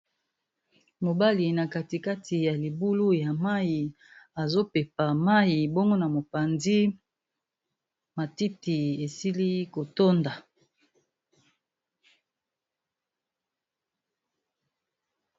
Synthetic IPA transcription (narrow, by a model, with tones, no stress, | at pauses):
mo˨ba˦li˨na˨ka˦ti˨ka˦tʰi˨ja˨li˨bu˦lu˦ja˨ma˦ji˨ | a˨zo˦pe˨pa˨ma˦ji˨bo˦ŋɡo˦na˨mo˨pa˨nzi˦ | ma˨ti˦ti˨e˨si˦li˦ko˨to˦nda˨